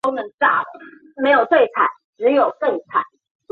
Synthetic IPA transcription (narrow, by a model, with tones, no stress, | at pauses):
o˥ʊnə˧˥ŋʈ͡ʂa˥˩˨ | me˧˥ɪjo˨˩ʊt̪we˥˩ɪt͡sʰa̰˨˩˦ɪʈ͡ʂɻ̩˧˥jo˨˩ʊkɤ˥˩ŋt͡sʰa̰˨˩˦ɪ